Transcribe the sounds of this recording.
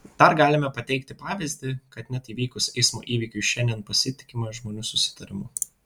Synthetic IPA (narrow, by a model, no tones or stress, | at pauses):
d̪̥ɐɾɡɑːlʲɪmʲɛpɐt̪ʲɛɪkt̪ʲɪpɑːʋʲɪzʲd̪ʲɪkɐt̪nʲɛt̪iːʋʲiːkʊsɛɪsmo̰ːʔiːʋʲiːkʲʊʃʲɛnʲd̪ʲiɛnpɐsʲɪt̪ʲɪ̥kʲɪmɐʒmoːnʲuːsʊsʲɪ̥t̪ɐɾʲɪmʊ